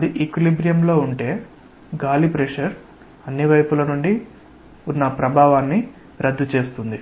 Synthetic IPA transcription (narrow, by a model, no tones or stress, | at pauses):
ɐd̪iʔekilibɾijɐmlo̞ːuɳʈe̞ː | ɡaːlipɾeʂɐɾ | ɐnːiʋɐjpulɐnuɳɖi | unːɐpɾɐbʱaːʋaːnːi | ɾɐd̪ːut͡ʃe̞ːst̪und̪i